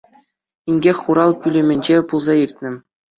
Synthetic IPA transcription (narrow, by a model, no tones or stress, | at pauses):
inʲɡʲexʲχuɾɑlˠpʲylʲɘ̆mʲɘ̆nʲd͡ʑepulˠzɑirʲt̪̚ʲnʲɘ̆